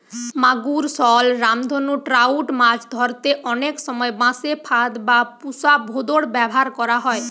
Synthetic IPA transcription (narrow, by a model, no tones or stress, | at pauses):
maɡuɾsɔlɾamd̪ʱonuʈɾauʈmad͡ʒʰd̪ʱɔɾt̪eʔɔneksɔmɔebãsepʰad̪bapusabʱod̪oɽbɛbɔɦaɾkɔɾaɦɔe